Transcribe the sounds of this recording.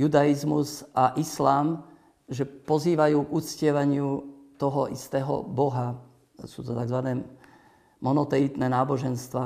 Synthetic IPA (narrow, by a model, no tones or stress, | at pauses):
jud̪aizmuzʔaʔislaːm | ʒɛpɔziːʋajuːɡut͡scɪɛʋaɲɪut̪ɔɦɔʔist̪ɛːɦɔ̰bɔɦa | suːt̪ɔt̪aɡzʋanɛː | mɔnɔt̪ɛit̪nɛnaːbɔʒɛnst̪ʋa